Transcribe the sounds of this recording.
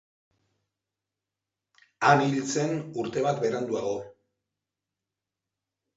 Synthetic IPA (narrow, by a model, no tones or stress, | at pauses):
anilt͡se̞nuɾt̪e̞βat̪beɾand̪uaɣo̞